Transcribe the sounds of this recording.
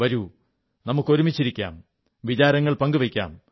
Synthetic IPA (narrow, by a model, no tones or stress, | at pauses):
ʋɐɾu | nɐmukːo̞ɾumit͡ɕːiɾikʲːa̰ːm | ʋit͡ɕaːɾɐŋːɐɭpɐŋɡuʋɐkʲːa̰ːm